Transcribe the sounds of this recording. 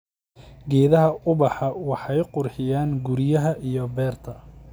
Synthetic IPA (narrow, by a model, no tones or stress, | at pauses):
ɡɛːðɐɦɐʔʊbɑħɑwɑħɑjqʊrħɪjaːnɡʊɾɪjɐɦɐʔijɔbɛːrt̪ʰɐ